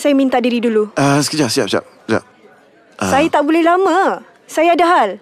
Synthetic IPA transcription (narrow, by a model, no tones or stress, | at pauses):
sajamint̪aʔdiɾiduluəsə̥kəd͡ʒasia̰p̚sia̰p̚ | d͡ʒa̰p̚ | sajat̪aʔbolɛhlamã | sajaːdaɦal